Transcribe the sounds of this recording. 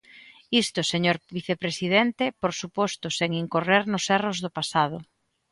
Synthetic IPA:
ist̪ʊseɲoɾbiθepɾesiðent̪epoɾsupɔst̪ʊseŋiŋkoreɾnʊsɛrozðʊpasað̞ʊ

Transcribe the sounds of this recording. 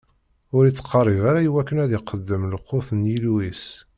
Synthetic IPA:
ʊɾit͡sːqʰːərˤːivaɾajiwækːənæðiqːəd̪ːəmləqːoθənjilwis

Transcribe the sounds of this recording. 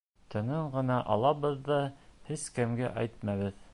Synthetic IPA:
t̪ɤ̆nɤɴɢɤ̆nɑʔɑ̰lˠɑβɤðːɑhɘzkɘ̆mɡæʔæjt̪̚mɑβɘð

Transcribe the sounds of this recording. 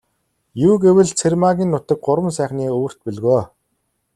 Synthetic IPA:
juːɡewɘ̆ɮt͡sʰermaɣʲiːnːʊt̪ə̆k̚ɢʊɾwə̆nsæːχniːoːr̥t̪̚pɵɮɣoː

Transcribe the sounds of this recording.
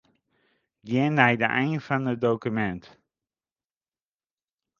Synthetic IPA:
ɡɪnːɛjdə̰ʔɛjnfɑnədowkymɛnt

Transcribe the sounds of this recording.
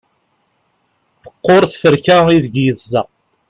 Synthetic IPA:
θə̥qːoɾˤθfəɾkæiðəɡjəzːɑ

